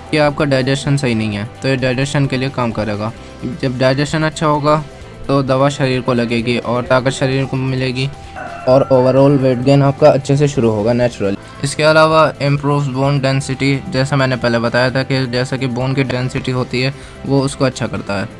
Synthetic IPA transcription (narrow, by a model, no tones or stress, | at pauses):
kiaːp̚kaɖaːɪd͡ʒɛsʃənsɐɦinɐɦĩɦɛːt̪oːjeɖaːɪd͡ʒɛsʃənkeliekaːmkɐɾeːɡaː | d͡ʒɐbɖaːɪd͡ʒɛsʃənɐtːʃʰaɦoːɡa | t̪od̪ɐʋaʃɐɾiːɾkolɐɡeːɡiʔɔːɾt̪aːkət̪ʃɐɾiːɾkomɪleːɡi | ɔːɾoːʋəɾɔːlʋeːʈɡeːnaːp̚kaɐtːʃʰes̬eʃʊɾuɦoːɡaːnɛːt͡ʃɾəli | ɪskeɐlaːʋaɪ̃mpɾuːʋsboːnɖɛ̃ːnsɪʈid͡ʒɛːsamɛ̃ːnepɛɦlebɐt̪aːjat̪ʰaked͡ʒɛːsakeboːnkiɖɛ̃ːnsɪʈiɦoːt̪iɦɛː | ʋoʊskoɐtːʃʰakɐɾt̪aɦɛː